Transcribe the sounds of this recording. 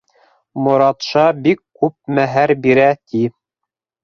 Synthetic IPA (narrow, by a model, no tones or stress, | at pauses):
mŏɾɑt̪ʃɑbikːʉp̚mæɦæɾbiɾæt̪ʰi